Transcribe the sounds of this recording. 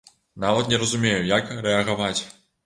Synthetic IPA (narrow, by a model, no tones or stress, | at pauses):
navɐt̪nʲɛɾɐzumʲejujakɾɛɐɣavat͡sʲ